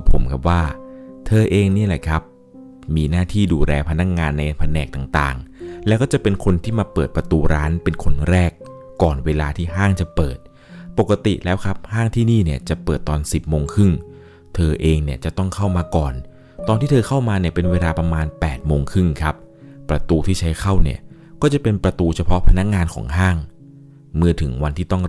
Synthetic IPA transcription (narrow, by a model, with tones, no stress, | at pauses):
a˨˩pʰːo˩˦mkʰa˦˥p̬̚waː˥˩t̪ʰɤː˧ʔeː˧ŋni˥˩lɛ˨˩kʰa˦˥p̚ | miː˧naː˥˩t̪ʰiː˥˩duː˧lɛː˧pʰa˧na˦˥k̚ŋaː˧nːa˧jpʰa˧nɛː˨˩k̚t̪aː˨˩ŋt̪a̰ː˨˩ŋlɛː˦˥wkɔː˥˩t͡ɕa˨˩pe˧nkʰo˧nt̪ʰiː˥˩maː˧pɤː˨˩t̪̚pɾa˧t̪uː˧ɾaː˦˥npe˧nkʰo˧nɾɛː˥˩kː | ɔː˨˩nweː˧laː˧t̪ʰiː˥˩ɦaː˥˩ŋt͡ɕa˨˩pɤː˨˩t̪̚ | po˨˩kːa˧t̪ḭ˨˩lɛː˦˥wkʰa˦˥p̚haː˥˩ŋt̪ʰiː˥˩niː˥˩ni˥˩ɐt͡ɕa˨˩pɤː˨˩t̪̚ːɔː˧nsi˨˩p̚moː˧ŋkʰɯ˥˩ŋ | t̪ʰɤː˧ʔeː˧ŋni˥˩ɐt͡ɕa˨˩t̪ɔ˥˩ŋkʰa˥˩wmaː˧kɔː˨˩n | t̪ɔː˧nt̪ʰiː˥˩t̪ʰɤː˧kʰa˥˩wmaː˧ni˥˩ɐpe˧nweː˧laː˧pɾa˧maː˧npɛː˨˩t̪̚moː˧ŋkʰɯ˥˩ŋkʰa˦˥p̚ː | ɾa˧t̪uː˧t̪ʰiː˥˩t͡ɕʰa˦˥jkʰa˥˩wnḭ˥˩ɐ | kɔː˥˩t͡ɕa˨˩pe˧npɾa˧t̪uː˧t͡ɕʰa˧pʰɔ˦˥pʰa˧na˦˥k̚ŋaː˧nkʰɔ̰ː˩˦ŋɦaː˥˩ŋ | mɯ˥˩ət̪ʰɯ˩˦ŋwa˧nt̪ʰiː˥˩t̪ɔ˥˩ŋ